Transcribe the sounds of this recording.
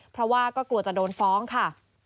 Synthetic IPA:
pʰɾɔ˦˥waː˥˩kɔː˥˩klu˨˩ət̚t͡ɕa˨˩doː˧nfɔː˦˥ŋkʰa˥˩

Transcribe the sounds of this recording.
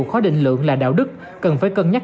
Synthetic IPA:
kxɔ˨˦ɗḭ˧˨ŋ̟lɨ̰˧˨əŋlaː˨˩ɗa̰ː˧˨wɗɨ˦˥k̚ | kə˨˩nfaː˧˦jkə˧nɲa˦˥

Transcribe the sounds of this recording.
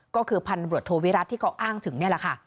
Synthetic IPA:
kɔː˥˩kʰɯː˧pʰa˧nbɾət̪ʰːoː˧wi˦˥ɾa˦˥t̪ʰːiː˥˩kʰa˦˥wʔaː˥˩ŋt̪ʰɯ˨˩˦ŋni˥˩ɐla˨˩kʰa˥˩

